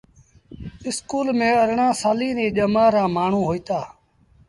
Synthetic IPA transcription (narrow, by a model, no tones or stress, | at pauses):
ɪskuːlmẽːəɾɳãːsaːliːniːɗəmãːɾãːmaːɳ̤ũːɦoːiːt̪aː